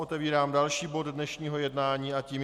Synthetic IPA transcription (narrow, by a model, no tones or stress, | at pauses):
ʔot̪ɛviːɾaːmdalʃiːbo̞ddnɛʃɲiːɦo̞jɛdnaːɲiːʔaciːm